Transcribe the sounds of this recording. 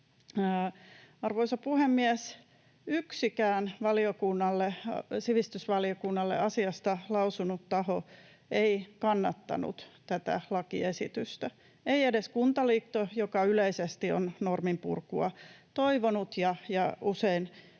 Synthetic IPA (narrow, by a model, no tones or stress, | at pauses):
ɑrʋoisɑpuhemːiæs | yksikæːnʋɑliokunːɑlːesiʋist̪ysʋɑliokunːɑlːḛʔɑsiɑst̪ɑlɑusunut̪tɑho | eikɑnːɑt̪ːɑ̰nṵt̪t̪æt̪æ̰lɑkiesit̪yst̪æ | eiedeskunt̪ɑliːkt̪ːojokɑyleisest̪io̰nnormimpṵrkuɑ̰t̪oiʋonut̪jɑjɑusein